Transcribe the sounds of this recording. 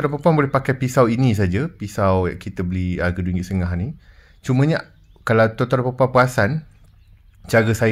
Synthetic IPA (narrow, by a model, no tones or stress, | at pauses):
t̪oɾapəpuaŋbolɛhpakajpisawinĩs̬ad͡ʒapisawja̰kit̪əbəliaɡəduŋɡiʔsəŋaɦni | t͡ʃumə̃ɲa | kalawt̪ot̪ɔɾapəpuapəasan | t͡ʃaɡəsa